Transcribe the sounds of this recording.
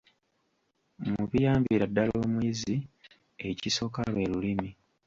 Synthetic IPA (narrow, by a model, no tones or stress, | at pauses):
muβijaːmbiɾadːalo̞ːmwiːzi | e̞ciso̞kalwe̞ːlulimi